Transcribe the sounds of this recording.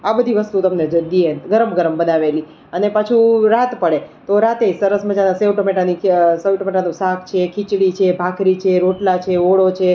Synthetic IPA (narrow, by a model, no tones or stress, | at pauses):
abəd̪ʱiʋəst̪ut̪əmned͡ʒəd̪ieɡəɾəmɡəɾəmbənaʋeli | ənepat͡ʃʰuɾat̪pəɽet̪oɾat̪esəɾəsməd͡ʒanaseʋʈomeʈanisewʈomeʈanũsakʰt͡ʃʰekʰit͡ʃɽit͡ʃʰebʱakʰɾit͡ʃʰeɾoʈlat͡ʃʰeoɭot͡ʃʰe